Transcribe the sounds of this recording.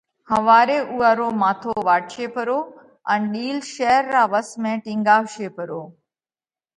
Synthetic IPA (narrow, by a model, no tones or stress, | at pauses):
hɐʋaːɾeʔuːaːɾoːmaːt̪ʰoʋaːʈʰʃepɐɾoː | ɛ̃nɗiːlʃɛːəɾːaːʋəsmẽːʈɪ̃ŋɡaːʋʃepɐɾoː